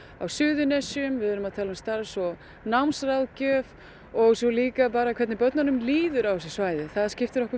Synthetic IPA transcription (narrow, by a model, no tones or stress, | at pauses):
a̰wsʏːðʏnɛsiʏmvɪðʏɾʏmaðt̪ʰɛlast̪aːɾasɔ | nawmsraðcœːv | ɔɣsɔliːkapaːɾakʰvɛɾt̪nɪpœt̪nanʏmliːðʏɾawsɛsvaːjðɪθaðscɪft̪ɪɾɔhkʏ